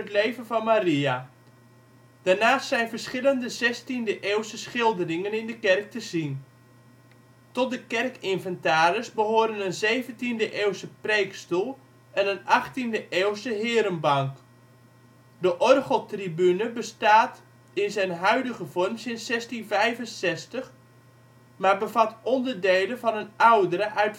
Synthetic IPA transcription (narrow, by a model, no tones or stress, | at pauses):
ətlejvənvɑnmaria | d̥arnaːstsɛjnvərsχɪləndəzɛstindəʔeːwsəsχɪlˠdərɪŋənɪndəkɛrk̚təzin | tɔt̚dəkɛrkɪnvəntaːɾəsbəɦoːɾənənzejvəntindəʔeːwsəprejkstulˠ | ɛnənɑχtindəʔewsəɦɪːɾənbɑŋk | dəʔɔrχəlˠtribynəbəstaːt | ɪnzɛjnɦœɥdəɣəvɔrmsɪnsɛstinvɛjvənsɛstəχ | maːbəvatɔndərdejlənvɑnənawdəɾəʔœɥt